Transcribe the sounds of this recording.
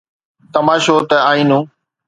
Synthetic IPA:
t̪əmaːʃoːt̪əaːĩːnũː

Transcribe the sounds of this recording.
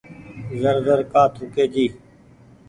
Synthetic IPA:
zəɾzəɾkaːt̪ʰukeːd͡ʒiː

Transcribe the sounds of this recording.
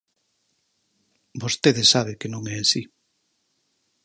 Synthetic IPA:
bost̪eðɪsaβ̞ɪkenõŋɛasi

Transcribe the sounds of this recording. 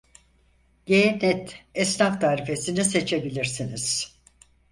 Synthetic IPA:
ɟeːnɛt̪ɛsnaft̪ʰaːɾife̞sinise̞t͡ʃʰe̞bilʲiɾsiniz̥

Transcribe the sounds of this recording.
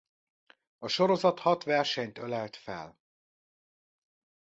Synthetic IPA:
ɒʃoɾo̞zɒt̪hɒt̪ʋɛrʃɛɲt̪ølɛlt̪fɛ̰l

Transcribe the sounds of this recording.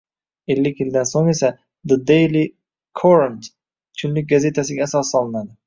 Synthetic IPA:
elːɪkʲjɪld̪ansoŋe̞sa | d̪əd̪ejli | kʰoɾant̪ | t͡ʃʰʊnlɪk̚ʲɡaze̞t̪ʰasɪɡʲaːsɑsːɒlˠɨnad̪ɪ

